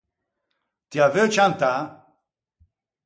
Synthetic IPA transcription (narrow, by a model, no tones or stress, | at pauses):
t̪javɛt͡ʃʰant̪a